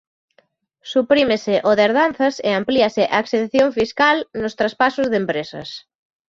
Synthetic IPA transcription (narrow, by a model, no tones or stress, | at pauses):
supɾimesɪʔoðeɾðanθɐseampliasɪʔaekseðθjoɱfiskalnʊst̪ɾaspasʊzðempɾesɐ̰s